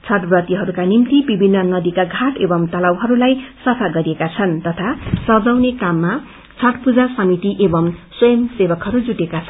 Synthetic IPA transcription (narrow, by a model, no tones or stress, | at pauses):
t͡sʰʌʈbrʌt̪iɦʌɾukanimt̪ibibʱinːʌnʌd̪ikaɡʱaʈebʌmt̪ʌlawɦʌɾulajsʌpʰaɡʌɾiekat͡sʰʌnt̪ʌt̪ʰasʌd͡zawnekamːa | t͡sʰʌʈpud͡zasʌmit̪iʔebʌmswʌjʌmsebʌkɦʌɾud͡zuʈekat͡sʰʌn